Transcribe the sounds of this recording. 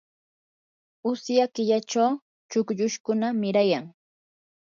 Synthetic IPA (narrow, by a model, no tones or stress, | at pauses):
ʊsjakɪʎat͡ʃaw | t͡ʃʊkʎʊʃkʊnamɪɾajaŋ